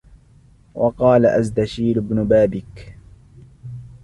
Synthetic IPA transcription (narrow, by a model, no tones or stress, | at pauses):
wʔɑqɑːlaʔazd̪aʃiːɾɪbnʊbaːbɪk